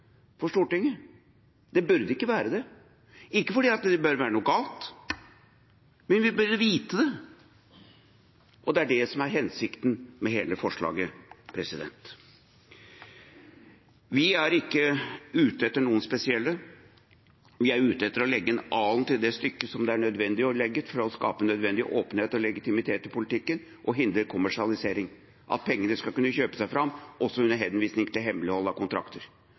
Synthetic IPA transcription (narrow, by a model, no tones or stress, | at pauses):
fɔʂʈuːʈɪŋːə | d̪̥ɛbʉɾd̪əɪkːəʋæːɾəd̪ɛ | ɪkːəfɔɖiːɑt̪d̪ɛbøːɾʋæːɾənuːɡɑːlt̪ | mɛnʋɪbʉɾd̪əʋiːt̪əd̪ɛ | ʔɔd̪ɛæɖɛsɔmæɾɦɛnsɪkt̪nmɛɦeːləfɔʂɭɑ̰ːɡəpʰɾɛsɪd̪ɛ̰nt̪ | ʋɪæɾɪkːəʉːt̪əɛt̪ːəɳuːənspɛsɪɛlːə | ʋɪæɾʉːt̪ɛt̪ːəɾɔlɛɡːəɛnɑːlnt̪ʰɪld̪ɛst̪ʏkːəsɔmd̪ɛæɳœd̪ʋɛnd̪ɪɔlɛɡːət̪fɔɾɔskɑ̰ːpənœd̪ʋɛnd̪ɪʔoːpənheːt̪ɔlɛɡɪt̪ɪmɪt̪ʰeːt̪ːɪlpʰʊlɪt̪ʰɪkːən | ʔɔɦɪnd̪ɾəkʰʊmæʂɪɑlɪseːɾɪŋ | ʔɑ̰t̪̚pʰɛŋːənəskɑlkʉnːəçøːpə̥sæɪfɾɑmːʔɔsːɔʉnːəɾɦɛnʋiːsnɪŋt̪ʰɪlɦɛmlɪhɔlːɑkʊnt̪ʰɾɑ̰kt̪ʰəɾ